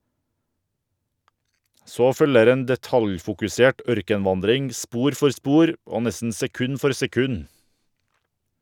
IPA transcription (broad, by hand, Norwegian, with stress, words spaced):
ˈsoː ˈfœləɾ ˈeːn dɛˈtɑljfʊkʉˌseːʈ ˈœɾkənˌʋɑndɾɪŋ ˈspuːɾ ˈfɔɾ ˈspuːɾ ˈoː ˈnɛsn̩ sɛˈkʉn ˈfɔɾ sɛˈkʉn